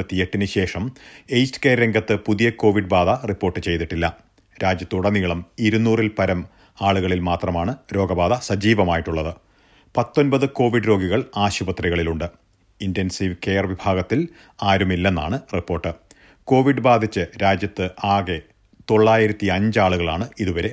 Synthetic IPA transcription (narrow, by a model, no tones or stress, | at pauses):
ɐt̪ːie̞ʈːinɨɕe̞ːʂɐmejstɨ̥ke̞ːɾɾe̞ŋɡɐt̪ːɨpuðijɐko̞ːʋiɖbaːd̪ɐripːo̞ːrʈːɨt͡ɕe̞jðiʈːilːɐ | ɾaːd͡ʑjɐt̪ːuɽɐnːiːɐɭɐmiɾunːuːrilpɐɾɐm | aːɭuɣɐɭilmaːt̪rɐmaːɳɨɾo̞ːɡɐbaːd̪ɐsɐd͡ʑiːʋɐmaːjiʈːuɭːɐðɨ | pɐt̪ːo̞nbɐðɨko̞ːʋiɖɾo̞ːɡiɣɐɭaːɕubɐt̪riɣɐɭiluɳɖɨ | inte̞nsiʋke̞ːjɐrʋibʱaːɡɐt̪ːil | aːɾumilːe̞nːa̰ːɳɨripːo̞ːrʈːɨ | ko̞ːʋiɖɨbaːd̪ʱit͡ɕːɨɾaːd͡ʑjɐt̪ːɨaːɣe̞ | t̪o̞ɭːaːjiɾɐt̪ːiɐɲd͡ʑɨaːɭuɣɐɭaːɳɨiðuʋɐɾe̞